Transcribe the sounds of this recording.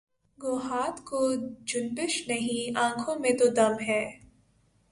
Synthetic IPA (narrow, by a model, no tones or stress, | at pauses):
ɡoːɦaːt̪kod͡ʒʊnbɪʃnɐɦĩãːkʰõmẽt̪od̪ɐmɦɛː